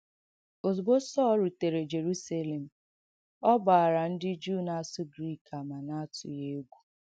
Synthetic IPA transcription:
o˨zbo˦sɔː˦ɾu˨te˨ɾe˨d͡ʒe˨ɾu˦sa˦le˨m̩˨ | ɔ˦ba˨a˨ɾa˨n̩˦dɪ˦d͡ʒu˦˨na˦sʊ˦ɡɾi˦˨ka˨ma˨na˦a˦tʊ̰˨je˦ɡʷu˦

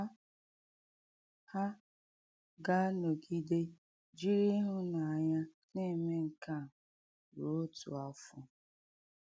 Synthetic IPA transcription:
a˦ | ha˦ | ɡa˦no˨ɡi˦de˦ | d͡ʒi˦ɾi˦ɦʊ˦na˨a˨ɲa˦ | ne˦˨me˦ŋ̩˨ka˦˨ | ɾo˨o˦tṵ˨a˨˦fʊ˦

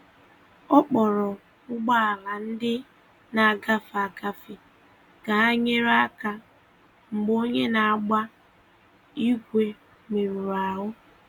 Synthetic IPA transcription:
ɔ˦k͡pɔ˨ɾɔ˨ | ʊ˦ɡ͡ba˦a˨la˨n̩˦dɪ˦ | na˨a˨ɡa˦fa˨ɡa˨fi˨ | ɡa˨a˦ɲe˦ɾa˦ka˨ | ŋ͡m̩˨ɡ͡bo˦ɲe˦na˨a˨ɡ͡ba˦ | i˦kʷe˨ | me˨ɾu˨ɾa˨ɦʊ˦

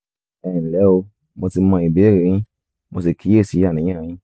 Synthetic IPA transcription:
ɛ˨lɛ˨˦o˧ | mõ˧ti˧mɔ̃˧i˨be˨˦e˦˨ɾi˨ɾ̃ĩ˦ | mo˧s̬i˨kʰi˨˦e˦˨si˨˦a˦˨ĩ˨˦ã˦˨ĩ˨˦

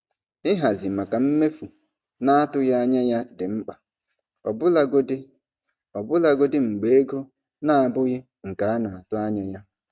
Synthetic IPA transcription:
ɪ˦ɦa˨zi˨ma˨ka˨m̩˦me˦fu˨ | na˦a˦tʊ˦ɣa˦a˦ɲa˦ja˦dɪ˨ŋ͡m̩˦k͡pa˨ | ɔ˨bʊ˦la˦ɡo˦dɪ˦ | ɔ˨bʊ˦la˦ɡo˦dɪ˦ŋ͡m̩˨ɡ͡be˨˦e˦ɡo˦ | na˦a˨bʊ˦ɣɪ˦ | ŋ̩˨ka˨a˦nʊ˨a˨tʊ˦a˦ɲa˦ja˦

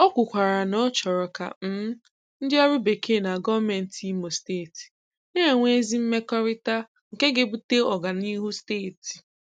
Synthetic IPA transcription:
ɔ˦kʷʊ˨kʷa˨ɾa˨nɔ˦t͡ʃɔ˨ɾɔ˨ka̰˨m̩˦ | n̩˦dɪ˦ɔ˦ɾʊ˦be˨ke˦˨na˨ɡɔ˦vme˨n̩˨ti˦mo˨steː˦˨ti̥˨ | ne˦ɾe˨ŋʷe˦zi˦m̩˦me˦kɔ˦ɾɪ˦ta˦ | ŋ̩˨ke˦ɡe˨bu˦te˦ɔ˨ɡa˨ni˦ɦu˦steː˦˨ti̥˨

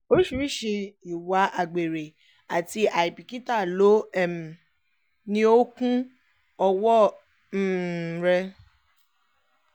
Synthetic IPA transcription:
o˦ɾi˦ʃu˧ɾi˦˨ʃe˧i˨wa˨˦ʔa˨ɡ͡be˨ɾe˨ | a˨ti˦a˨i˨bi˨ki˦ta˦˨lo˨˦ɛ˦˨m̩˨ | nĩ˦o˦kũ˦ | ɔ˧wɔ˦ | n̩˦˨ɾɛ˧

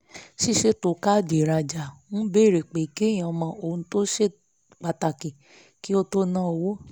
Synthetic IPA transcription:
ʃi˦ʃe˦to˧˨ka˦˨di˨ɾa˨˧d͡ʒa˨nũ˦be˦˨ɾe˨k͡pe˨ki˦j̃ã˨˧mã˧˦ʔo˧˨ũ˧˦to˦ʃe˦˨ | k͡pa˧ta˨ki˨ | ki˦o˦to˦nã˦˨o˧wo˦

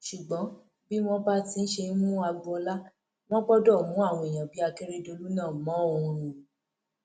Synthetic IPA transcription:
ʃu˨ɡ͡bɔ̃˨˦ | bi˦wɔ̃˦ba˦ti˧n̩˦ʃe˧n̩˦mũ˦a˧ɡu˧ɔ˧la˦ | w̃ɔ̃˦k͡pɔ˦dɔ˦˨mũ˨˦a˦˨w̃ɔ̃˧i˨j̃ã˨bi˨˦a˧ke˦ɾe˦do˧lu˦nãː˦˨mɔ̃˨˦˨ũ˧ɾ̃ũ˧˨

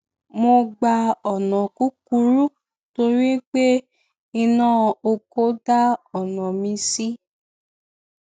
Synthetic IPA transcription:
mo˧ɡ͡ba˧ɔ˨nɔ̃˨ku˦ku˧˦ɾu˦ | to˧ɾi˦k͡pe˦ | i˧nãː˦˨o˧ko˨˦da˦ɔ˨nɔ̃˨mĩ˧si˦

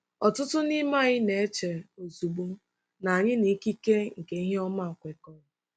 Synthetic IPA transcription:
ɔ˨tʊ˦tʊ˦ni˦ma˦˨ɣɪ˦ne˨e˦t͡ʃe˨o˨zu˨ɡ͡bu˦ | na˨ɲɪ˦ni˨˦ki˦ke˦ŋ̩˨ke˨i˦ɦe˦ɔ˦ma˦ɔ˨kʷe˨kɔ˦ʊ˦

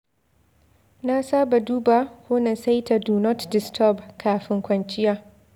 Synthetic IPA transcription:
na˦saː˦ba˨duː˦ba˨ho˦nɐ˨nsa˦jta˨du˨nɔ˦tdɪ˨stʰɔ˦bkʰaː˨ɸɪ˦ŋkʷɐ˨nt͡ʃɪ˦jaː˦

